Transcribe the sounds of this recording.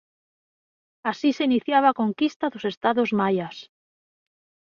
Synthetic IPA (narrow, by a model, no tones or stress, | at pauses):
asiseiniθjaβ̞akoŋkist̪aðosest̪aðozmajas